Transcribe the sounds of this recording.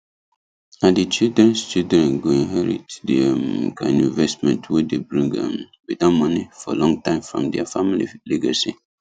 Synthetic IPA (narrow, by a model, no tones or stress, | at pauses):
adit͡ʃildɹɛ̃nst͡ʃildɹɛ̃nɡoĩnɦɛɹḭtdimkʰãnĩnvɛstmɛ̃ntʰwedebɹĩŋɛ̰̃mwidamɔnifɔ̰lɔ̃ŋtãɪ̃mfɹɔ̰̃mdɛafamilḭlɛɡasi